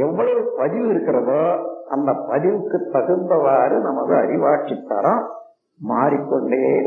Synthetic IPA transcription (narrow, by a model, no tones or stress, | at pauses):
ɛʋːɐɭɐɯpɐðɪʋɪɾɯkːɪrɐðoːɐnd̪ɐpɐðɪʋɯkːɯt̪ːɐɣɯnb̪ɐʋaːɾɯnɐmɐðɯɐ̰ɾɪʋaːt͡ʃːit̪ːɐɾɐ̃ | maːɾikːɔɳɖeː